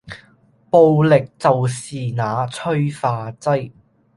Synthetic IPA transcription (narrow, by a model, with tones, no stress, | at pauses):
po˧wlɪ˨k̚t͡sɐ˨wsiː˨naː˨˧t͡sʰɵ˥ɥfaː˧t͡sɐ˥j